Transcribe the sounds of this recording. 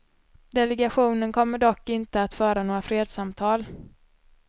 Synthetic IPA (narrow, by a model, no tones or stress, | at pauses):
d̪ɛlɛɡaɧuːnənkʰɔmːəɖɔkːɪnt̪əat̪fœːɾanoːɾafɾeːd̪samt̪ʰɑːl